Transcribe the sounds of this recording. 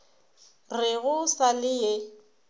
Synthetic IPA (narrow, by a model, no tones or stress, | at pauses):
rɪɣʊsalɪje